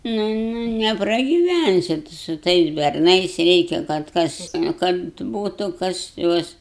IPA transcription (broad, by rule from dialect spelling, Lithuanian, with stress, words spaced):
ˈnʊ ˈnʊ nʲɛprɐɡʲɪˈʋʲænʲsʲɪ tʊ sʊ ˈtɐɪs bʲɛrˈnɐɪs ˈrʲɛɪkʲɛ kɐt ˈkɐs kɐt ˈbuːtʊ ˈkɐs ˈjuɔs